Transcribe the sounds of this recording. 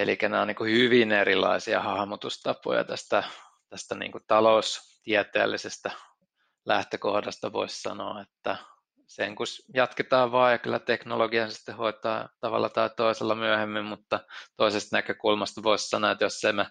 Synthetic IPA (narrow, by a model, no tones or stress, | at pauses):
elikæneoniːŋkuhyʋinerilːˑɑ̰isiɑ̰hɑhmut̪ust̪ɑpo̰jɑ̰t̪æst̪æ | t̪æst̪ænḭːŋkut̪ɑloust̪iæt̪ḛːlːisest̪æ | læht̪økohdɑst̪ɑʋo̰issɑ̰no̰ɑet̪ːæ | seŋkusjɑt̪ket̪ɑːʋʋɑːjɑkylːæt̪eknoloɡiɑnsi̥t̪ːehoit̪ɑːt̪ɑʋɑ̰lːɑt̪ɑit̪oiselːɑmyæhemːimmut̪ːɑt̪oisest̪nækøkulmɑst̪ʋoissɑnoet̪josseimæ